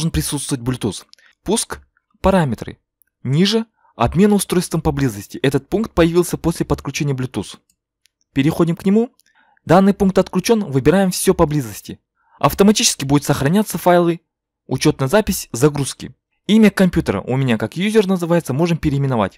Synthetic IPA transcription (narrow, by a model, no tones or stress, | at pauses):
ʐɨnpɾʲɪsut̪st̪vət̚ʲblʲʊt̪us | pusk | pɐɾamʲɪt̪ɾɨ̰ | nʲiʐɨ | ɐ̰bmʲe̞nəʊst̪ɾo̞jst̪vəmpɐblʲizəsʲtʲɪʔɛt̪ət̪̚punkt̪̚pəjɪvʲilˠsʲəpo̞sʲlʲɪpət̪klʲʉt͡ɕenʲɪjəblʲʊt̪us | pʲɪɾʲɪxo̞dʲɪmknʲɪmu | d̪anːɨjpunk̚t̪ɐt̪klʲʉt͡ɕo̞nvɨbʲɪɾajɪmfsʲɵpɐblʲizəsʲtʲɪ | ɐ̰ft̪əmɐtʲit͡ɕɪ̥skʲɪbudʲʊt̪səxɾɐnʲat̪səfajlˠɨ | ʊt͡ɕo̞t̪nəjzapʲɪsʲzɐɡɾuskʲɪ̰ | imʲəkɐmʲpʲjut̪əɾə̰ʔʊmʲɪnʲakakjuzʲɪrnəzɨvajɪt̪səmo̞ʐɨmpʲɪɾʲɪːmʲɪnɐva̰tʲ